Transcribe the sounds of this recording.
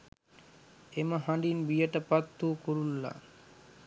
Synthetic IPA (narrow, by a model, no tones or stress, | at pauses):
emaɦãɖinbijaʈapat̪ːukoɾulːa̰